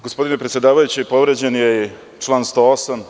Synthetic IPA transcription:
ɡospo̞d̪inepɾet̪sjed̪aːʋajut͡ɕipo̞ʋɾed͡ʑenje | t͡ʂlˠaːnst̪o̞ːosam

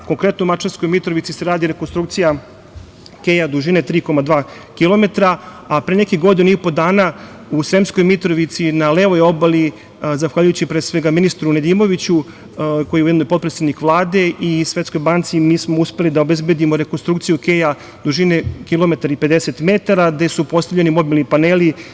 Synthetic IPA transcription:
ko̞ŋkɾe̞t̪noumat͡ʃaɾsko̞jmit̪ɾo̞ʋit̪siseɾaːd̪iɾekonst̪ɾukt̪sija | keːjad̪uʒinet̪ɾiːko̞mad̪ʋaː | kilo̞me̞t̪ɾa | apɾenekiɡo̞d̪iniipo̞d̪aːna | usɾemsko̞jmit̪ɾoʋit̪sinaleːʋo̞jo̞bali | zaxʋaʎujut͡ɕipɾeːsʋe̞ɡaminist̪ɾuned̪iːmo̞ʋit͡ɕu | ko̞jujed̪nojpo̞t̪pɾet̪sed̪nikʋlˠaːd̪e̞ʔisʋe̞t̪sko̞jbaːnt̪simiːsmo̞uspe̞lid̪aobe̞zbe̞d̪imo̞ɾekonst̪ɾukt̪sijukeːja | d̪uʒinekilo̞me̞t̪aɾaipe̞d̪eset̪met̪aɾaɡd̪e̞supo̞st̪avʎe̞nimo̞bilˠnipaneːli

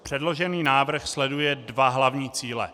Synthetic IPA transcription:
pr̥ɛdlo̞ʒɛniːnaːvr̩xslɛdujɛdvaɦlavɲiːt͡siːlɛ̰

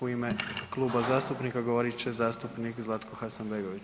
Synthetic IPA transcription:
uime̞klˠuːbazaːst̪upnikaɡoʋoɾit͡ɕezaːst̪upnikzlˠat̪koxasanbeɡo̞ʋit͡ʃ

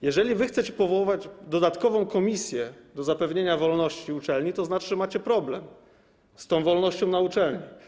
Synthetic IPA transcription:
jɛʐɛlʲivɘxt̪sɛt͡ɕɛ̥pɔvɔwɔvad͡ʑd̪ɔd̪at̪kɔvɔ̃w̃kɔmʲisʲjɛd̪ɔzapɛvɲeɲavɔlnɔɕt͡ɕiut͡ʂɛlɲit̪ɔznat͡ʂɘʐɛmat͡ɕɛpɾɔblɛm | st̪ɔ̃w̃vɔlnɔɕt͡ɕɔ̃w̃naut͡ʂɛlɲi

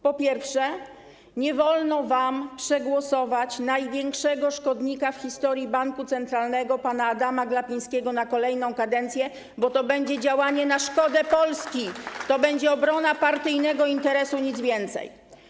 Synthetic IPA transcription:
pɔpʲjɛɾfʂɛ | ɲɛvɔlnɔvampʂɛɡwɔsɔvat͡ɕnajvʲjɛŋkʂɛɡɔʂkɔd̪ɲikafxʲçʲist̪ɔɾʲjibaŋkut̪sɛnt̪ɾalnɛɡɔpanaːd̪amaɡlapʲij̃skʲɛɡɔnakɔlɛjnɔ̃w̃kad̪ɛnt̪sʲjɛ | bɔt̪ɔbɛɲd͡ʑɛd͡ʑawaɲɛnaʂkɔd̪ɛpɔlskʲit̪ɔbɛɲd͡ʑɛɔbɾɔnapaɾt̪ɘjnɛɡɔint̪ɛɾɛsuɲid̪zvʲjɛnt̪sɛ̰j

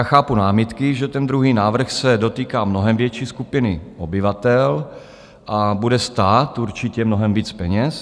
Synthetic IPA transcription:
aːxaːpunaːmɪt̪kɪʒɛt̪ɛnd̪ɾuɦiːnaːvr̩xsɛdo̞t̪iːkaːmnoɦɛmvjɛt͡ʃiːskupɪnɪʔobɪvat̪ɛl | ʔabudɛst̪aːt̪uɾt͡ʃɪcɛmnoɦɛmviːt͡spɛɲɛs

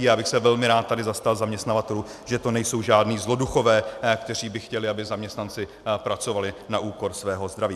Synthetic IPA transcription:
jaːbɪxsɛvɛlmɪɾaːt̪̚t̪ːadɪzast̪alzamɲɛst̪navat̪ɛluːʒɛt̪o̞nɛjso̞wʒaːdniːzlo̞duxo̞vɛːkt̪ɛr̝iːbɪxcɛlɪabɪzamɲɛst̪nant͡sɪ | pɾat͡so̞valɪnaʔuːko̞ɾsvɛːɦo̞zd̪ɾaviː

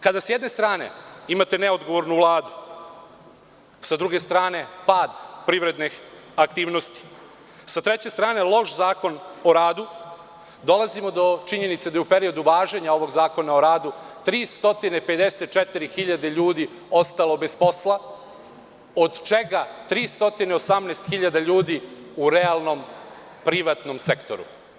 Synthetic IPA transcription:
kad̪asjɛd̪ne̞st̪ɾaːne̞̰imat̪e̞neod̪ɡo̞ʋo̞ɾnuvlˠaːd̪u | sad̪ɾuɡe̞st̪ɾaːne̞paːd̪pɾiʋɾe̞d̪nix | ak̚t̪iːʋno̞st̪i̥ | sat̪ɾet͡ɕest̪ɾaːne̞lˠo̞ʃzaːko̞no̞ɾaːd̪u | d̪o̞lazimo̞d̪o̞t͡ʃiɲe̞nit̪sed̪ajeupe̞ɾio̞d̪uʋaːʒeɲao̞ʋo̞ɡzaːko̞naoɾaːd̪ut̪ɾiːst̪o̞t̪inepe̞d̪e̞set̪̚t͡ʃet̪iɾixiʎad̪eʎuːd̪i | o̞st̪alo̞be̞spo̞sla | od̪t͡ʃe̞ɡat̪ɾiːst̪o̞t̪ine̞o̞samneːst̪xiʎad̪aʎuːd̪iuɾealˠno̞m | pɾiʋat̪no̞msekt̪o̞ɾṵ

